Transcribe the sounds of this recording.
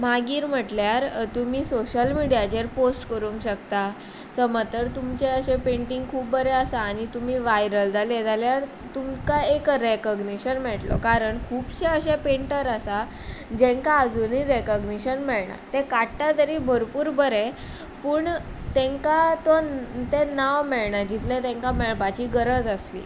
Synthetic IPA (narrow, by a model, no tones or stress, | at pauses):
maɡiːɾm̤əʈljaɾt̪umiːsoɕəlmiɽijat͡ɕeɾposʈkəɾũŋkɕəkt̪a | səmət̪əɾt̪umt͡ɕeəɕẽpeɳʈiŋɡkʰuːpbəɾeəsaːñit̪um̤iːʋajɾəld͡zaled͡zaljaɾ | t̪umkaekɾekəɡniɕənmɛʈlo̰kaɾəɳkʰuːpɕeəɕepeɳʈəɾəsa | d͡ʑẽŋkaːd͡zuniɾekəɡniɕənmɛɭɳa̰t̪ekaʈːat̪əɾiːbʱəɾpuːɾbəɾe | puːɳt̪ẽŋkat̪ɔt̪enaʋmeɭɳad͡ʑit̪lẽt̪ẽŋkamɛɭpat͡ɕiːɡəɾəd͡zəslḭː